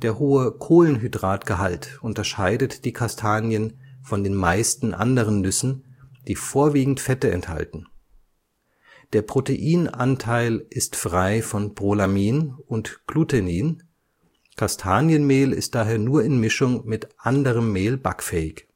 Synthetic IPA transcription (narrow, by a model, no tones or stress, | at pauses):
d̥eːɐɦoːəkʰoːlənɦydʁaːtɡ̥əɦaltʔʊntɐʃaɪdətd̥iːkʰastʰaːnjənfɔndeːnmaɪstn̩ʔa̰ndəʁənːʏsn̩d̥iːfoːɐviːɡŋ̩tfɛtəɛ̰ntha̰ltn̩ | d̥eːɐpʁ̥oteʔiːnʔa̰ntʰaɪlʔɪstfʁ̥aɪfɔnb̥ʁolamiːnʊntɡ̥lutʰeniːn | kʰastʰaːnjənmeːlɪ̰st̚d̥aːɦeːɐnuːɐɪnmɪʃʊŋmɪtʔandəʁəmːeːlba̰kfɛːɪç